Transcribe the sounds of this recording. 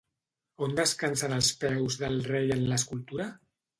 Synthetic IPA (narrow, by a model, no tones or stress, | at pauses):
ond̪əskansənəlˠspɛwzðəlˠrejənləskulˠt̪uɾa